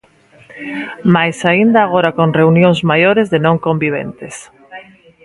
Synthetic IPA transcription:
majsaind̪aːɣ̞oɾakõŋreunjõŋzmajoɾezðenõŋkõmbiβ̞ḛnt̪es

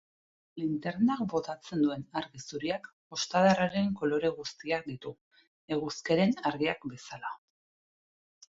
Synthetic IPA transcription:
lint̪eɾnak̚bo̞t̪at͡se̞nd̪ue̞naɾɣisuɾiak | o̞st̪aðaraɾe̞ŋko̞lo̞ɾe̞ɣ̞ust̪iak̚d̪it̪u | e̞ɣ̞uske̞ɾe̞naɾɣiakbe̞sala

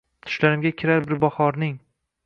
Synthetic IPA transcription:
t̪ʰʊ̥ʃlaɾɪmɡʲakʲʰɪɾaɾbɪɾbɒhɒɾnɪŋ

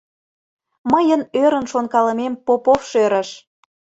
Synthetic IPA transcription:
məjənøɾə̆nʃonkɑlə̆mempopofʃeɾə̆ʃ

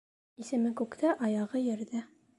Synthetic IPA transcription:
isɘ̆mɘkʉkt̪æʔɑjɑʁɤjɘ̆ɾðɘ

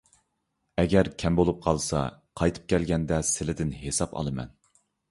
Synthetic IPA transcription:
ɛɡʲɛɾkʲʰɛmbolˠup̚qʰɑlˠsɑ̰qʰɑjt̪ʰɨ̥p̚kʲʰɛlɡʲɛnd̪ɛsɪlɪd̪ɪnɦesɑpɑ̰lˠɨmɛ̰n

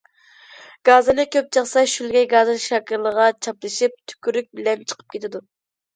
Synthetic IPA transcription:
ɡ̥ɑːzɨnɨkʲʰøp̚t͡ʃʰɑχsɑʃylɡʲɛɡɑːzɨʃɑːkʲɪɾlˠəʁɑt͡ʃʰɑplˠɨʃip̚t̪ʰy̥kʲyɾyk̚ʲbɪlɛmt͡ʃʰə̥qʰə̥p̚kʲet̪ʰɪd̪u

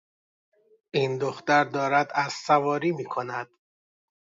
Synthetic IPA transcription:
ʔind̪oxt̪æɾd̪ɒːɾæd̪æz̥sævɒːɾiːmiːkʰo̞næd̪̥

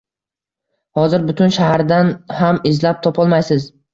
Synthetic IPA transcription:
hɒzɪɾbʊt̪ʰʊnʃaɦaɾd̪anhamɪzlap̚t̪ʰɒpʰɒlˠmajsɪz

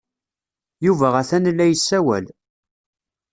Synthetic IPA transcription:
juvæʁæθænlːæjəsːæwæ̰l

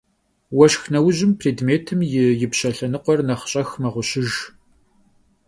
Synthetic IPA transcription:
wɐʃxnɐwʊʑɪmpʰreːdmeːtʰɨmjɪjɪpɕɐɬɐnɨqʷɔrnɐχɕʼɐxmɐʁʷʊɕɪʒ

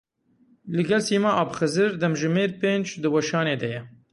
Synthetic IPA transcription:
lɨɡɛlsiːmɑːʔɑːbxɨzɨɾd̪ɛmʒɨmeːɾpeːnd͡ʒd̪ɨwɐʃɑːneːd̪ɛjɛ

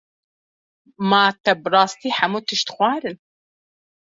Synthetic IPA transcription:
maːt̪ɛbɨrɑːst̪iːħæmuːt̪ɨʃt̪xʷɑːɾɨn

